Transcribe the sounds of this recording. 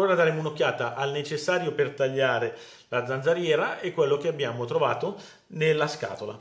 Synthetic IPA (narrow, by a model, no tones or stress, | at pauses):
oːɾad̪aːɾemounokʲːjaːt̪aʔalnet͡ʃesːaːɾjopert̪aʎːaːɾe | lad̪zːand̪zaɾjɛːɾaʔekːwelːok̟eabːjaːmot̪ɾovaːt̪o | nelːaska̰ːt̪ola̰